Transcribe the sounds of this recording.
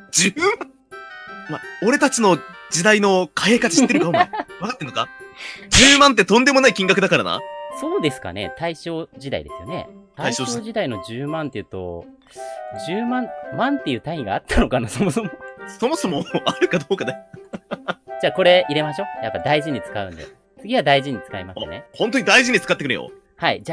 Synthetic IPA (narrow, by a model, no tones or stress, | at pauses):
d͡ʑɨm | mao̞ɾe̞t̪at͡ɕino̞d͡ʑid̪aino̞kaeːkat͡siɕi̥t̪ːeɾɯ̟kaomaβakat̪ːenoka̰d͡ʑɨːmãnt̪̬ːe̞t̪õ̞nd̪e̞mo̞naikʲĩŋɡakɯ̟d̪akaɾana̰so̞ːd̪e̞sɨ̥ka̰ne̞̰t̪aiɕo̞ːʑid̪a̰ḭd̪e̞̥̰sɨjo̰ne̞̰t̪aaiɕoːoːʑid̪aino̞ʑɨːmãnt̪ːe̞jɯ̟ːt̪o̞̰ | d͡ʑɨːmãnmãnt̪ːe̞jɯːt̪ãĩŋɡaːt̪ːano̞kanaso̞mo̞so̞moso̞moso̞moaɾɯ̟kad̪oːkad̪a | d͡ʑaːko̞ɾe̞ʔiɾe̞maɕo̞ːjapːad̪aiʑiɲ̟it͡sɨ̥kaɯ̟̃nd̪e̞̰ | t͡sɨɡʲiβad̪aiʑiɲ̟it͡sɨ̥kaimasnehõnt̪̬oɲ̟id̪aiʑiɲ̟it͡sɨ̥kat̪ːekɯɾɯ̃jo̰ | haid͡ʑa